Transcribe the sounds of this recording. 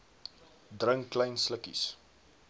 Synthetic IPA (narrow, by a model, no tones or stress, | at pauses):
drəŋklɛjnsləkḭs